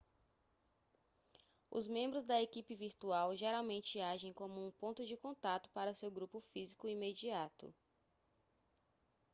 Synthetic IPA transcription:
ʊ̰zmẽmbɾʊzd̪ɐekipɪviɾt̪uawʒeɾawmẽnt͡ʃɪaʒẽj̃kõmʊũpõnt̪ʊd͡ʒɪkõnt̪at̪ʊ̥paɾɐsewɡɾupʊfizikʊimed͡ʒiat̪ʊ̰

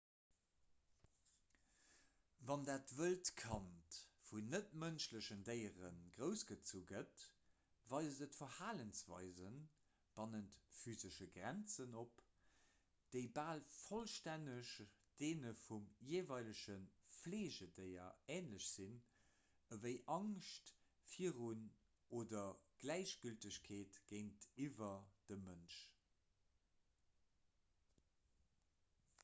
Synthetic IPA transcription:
vɑndaːtvəltkʰɑntfunətmənʃləɕəndəɪəʁənɡ̥ʁəʊsɡ̥ət͡suɡət | vɑɪzəzətfɐhaːlənsv̥ɑ̰ɪzən | b̥ɑnəntfyːzəʃəɡʁænt͡sənop | d̥əɪbaːlfolʃtænəʃd̥eːnəfumjeːvɑɪləʃənfleːʑədəɪɐ̰ɛːnləɕz̥in | əvəɪʔɑŋʃt | fiəʁun | oːdɐɡ̥læɪɕɡ̥yltəɕkʰeːtɡ̥əɪntivɐd̥əmənʃ

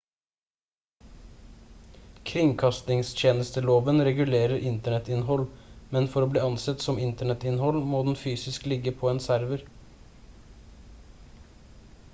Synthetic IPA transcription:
kʰɾɪŋkʰɑst̪ɪŋst̪ʰjeːnəst̪əloːʋənɾɛɡʉleːɾəɾʔɪnt̪əɳɛt̪ɪnɦɔlmɛnfɔɾoːbliːɑnsɛt̪sɔmɪnt̪əɳɛt̪ɪnhɔlmoːd̪n̩fyːsɪsklɪɡəpʰoːeːnsæɾʋəɾ

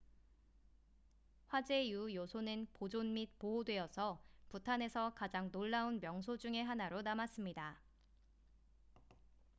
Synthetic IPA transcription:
ɸwad͡ʑe̞ijujosʰonɯnpod͡ʑonmit̚poɦodwe̞ʌsʰʌputʰane̞sʰʌkad͡ʑaŋnoɭːaunmjʌŋsʰod͡ʑuŋe̞ɦanaɾonamas͈ɯmɲida

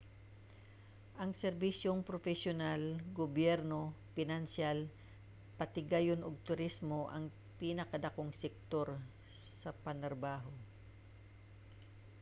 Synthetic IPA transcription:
ʔɐŋsɛɾbisjoŋpɾofɛsjonalɡobjɛɾno̞pɪnansjal | pɐt̪ɪɡajonoɡ̚t̪ʊɾismoʔɐŋ | pinɐkɐd̪ɐko̞ŋsɛk̚t̪o̞ɾ | sɐpɐnt̪ɾɐbaːɦo̞

